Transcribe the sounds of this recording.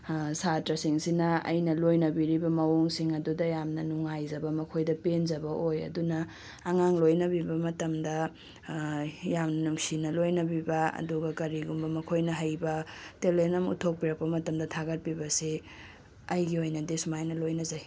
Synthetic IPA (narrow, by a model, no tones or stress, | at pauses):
satɾɐsiŋsinɐɐ̰jnɐlojnɐbiɾibɐmɐwuŋsiŋɐdudɐjamnɐnuŋajzɐbɐmɐkʰojdɐpenzɐbɐʔojɐ̰dunɐː | ŋaŋlojnɐbibɐmɐtɐmdɐ | jamnɐnuŋsinɐlojnɐbibɐɐ̰duɡɐkɐɾiɡumbɐmɐkʰojnɐɦɐjbɐtelenɐmṵtʰok̚piɾɐk̚pɐmɐtɐmdɐtʰaɡɐt̚pibɐsi | ɐjɡiojnɐdesmajnɐlojnɐzaj